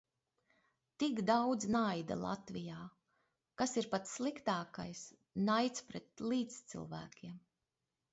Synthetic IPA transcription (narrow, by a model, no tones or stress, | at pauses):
t̪ikd̪awd̪znajd̪a̰lˠa̰t̪vijaː | kasiɾpat̪slˠikt̪aːkajs | najt̪spɾɛt̪lˠiːt̪st̪sḭlˠvæːkʲiɛm